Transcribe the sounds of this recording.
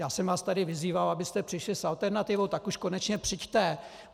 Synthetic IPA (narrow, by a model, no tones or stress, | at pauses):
jaːsɛmvaːst̪adɪvɪziːvalabɪst̪ɛpr̥ɪʃlɪsalt̪ɛɾnat̪ɪvowt̪akuʃkonɛt͡ʃɲɛpr̥ɪct̪ɛ